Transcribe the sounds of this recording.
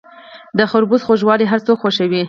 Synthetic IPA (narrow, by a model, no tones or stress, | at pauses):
d̪əxʊɾbuzxoʒwɑliɦaɾt͡sokxoʃəwi